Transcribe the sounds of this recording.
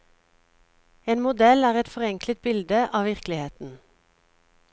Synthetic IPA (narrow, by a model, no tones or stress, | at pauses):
eːnmʊd̪ɛlæːʁɛt̪fɔʁɛŋklət̪̚bɪld̪əʔɑːʋɪʁklɪheːt̪n̩